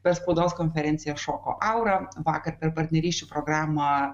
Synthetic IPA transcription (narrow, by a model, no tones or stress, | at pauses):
pʲɛɾspɐʊd̪oːskoːnʲfʲɛɾʲɛnʲt̪ʲɪjɛʃoːko̰ːʔɐʊɾɐʋɑːkɐɾpʲɛɾpɐɾʲt̪ʲnʲɛɾʲiːʃʲt͡ʃʲuːpɾoːɡɾɑːmɐ